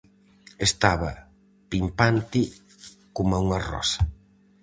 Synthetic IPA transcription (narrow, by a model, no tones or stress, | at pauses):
est̪aβɐ | pimpant̪ɪ | komauŋɐrɔ̰sɐ